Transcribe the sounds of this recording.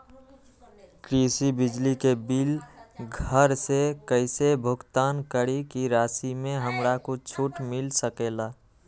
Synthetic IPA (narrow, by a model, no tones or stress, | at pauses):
kɾiːsibɪd͡ʒlikebɪlɡʱəɾsekəɪsebʱʊɡt̪aːnkəɾikiɾaːsimẽɦəmɾakot͡ʃʰuʈmɪlsəkela